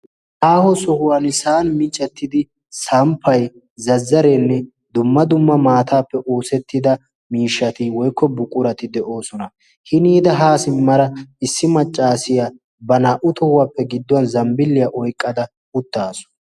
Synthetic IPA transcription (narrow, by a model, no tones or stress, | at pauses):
ʔaːhɔsɔhʊwanɪsaːnmɪt͡ʃʼːɛt̪ːɪd̪ɪ | sɐmpʰːɐj | zɐzːɐɾenːɛ | d̪ʊmːɐd̪ʊmːɐmaːt̪ʰaːpːɛʔoːsɛt̪ːɪd̪ɐ | miːʃːɐt̪ɪwɔjkːɔbʊkʼːʊɾɐt̪ɪd̪ɛʔo̞ːsɔnɐ | hɪniːd̪ɐɦaːsɪmːɐɾɐɪsːɪmɐt͡ʃʼːaːsɪja | bɐnaːʔʊt̪ʰɔhʊwapːɛɡɪd̪ːɔwɐnzɐmbɪlːɪjɐʔɔjkʼːɐd̪ɐ | ʊt̪ːaːsɔ̥